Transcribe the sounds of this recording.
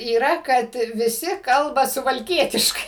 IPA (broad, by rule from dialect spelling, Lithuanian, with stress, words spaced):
iːˈrɐ kɐt ʋʲɪˈsʲɪ ˈkɐlˠbɐ sʊʋɐlʲˈkʲiɛtʲɪʃkɐɪ